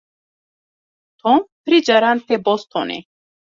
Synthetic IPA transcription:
t̪ʰɔmpʰɾid͡ʒaɾant̪ʰebɔst̪ʰɔ̰nḭ

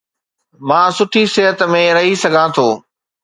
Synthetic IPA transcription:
mãːsʊʈʰisɪɦət̪mẽɾɐɦisɐɡʱãt̪ʰoː

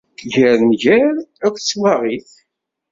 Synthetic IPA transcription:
ʝæɾnʝæɾækʷt͡sːwaʁiθ

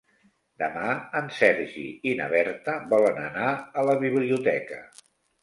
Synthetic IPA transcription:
d̪əmaənsɛɾʒḭinə̰βɛɾt̪əbɔlənə̰naələβiβliut̪ɛkə̰

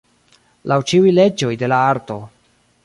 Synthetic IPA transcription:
lʔawt͡ʃiujle̞d͡ʒo̞jde̞laaɾto̞

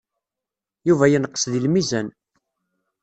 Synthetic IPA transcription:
juvæjənəqːə̥sðilmizæn

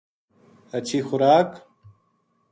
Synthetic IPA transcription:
ɐt͡ɕʰixʊɾaːk

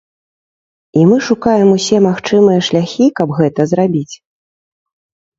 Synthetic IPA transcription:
imɨʂukajɛmusʲɛmaxt͡ʂɨmɨjɐʂlʲaxʲikɐbɣɛt̪ɐzɾabʲit͡sʲ

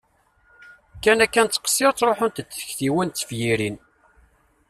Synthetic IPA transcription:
kːænækːænt̪ːə̥qsiɾt͡sːˤɾˤoħʊnt̪ət͡s̪ːə̥çθiwænt̪ːə̥fjiɾin

